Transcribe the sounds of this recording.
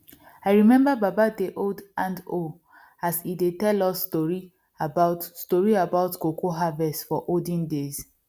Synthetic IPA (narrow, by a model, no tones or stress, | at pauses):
aɪɹimɛ̃mbababadeʔodãndo | asidetɛlɔsːtɔɹi | abaʊtstɔɹiabaʊtkokoɦavɛstfɔʔodĩndez̥